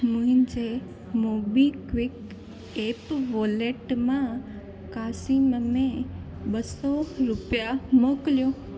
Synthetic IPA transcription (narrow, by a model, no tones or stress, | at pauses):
mũɦĩnd͡ʒe | mobikʋɪk | epʋoleʈmã | kasimmẽɓəsoɾʊpjamokljo